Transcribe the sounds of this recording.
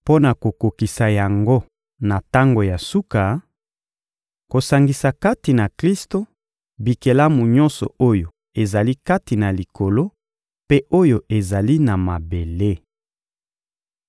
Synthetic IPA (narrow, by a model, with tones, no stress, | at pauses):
po˦na˨ko˨ko˨ki˨sa˨ja˨ŋɡo˦ | na˨ta˦ŋɡo˨ja˨su˦ka˨ | ko˨sa˨ŋɡi˨sa˨ka˦ti˨na˨kli˦sto˦ | bi˨ke˨la˦mu˨ɲɔ˦nsɔ̰˨o˦jo˨ | e˨za˨li˦ka˦ti˨na˨li˨ko˨lo˦ | pe˦ʔo˦jo˨ʔe˨za˨li˦na˨ma˨be˨le˦